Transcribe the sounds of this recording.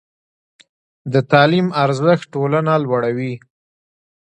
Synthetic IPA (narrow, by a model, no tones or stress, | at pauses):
d̪ət̪ɑlimaɾzəx̚ʈolanalwaɽawi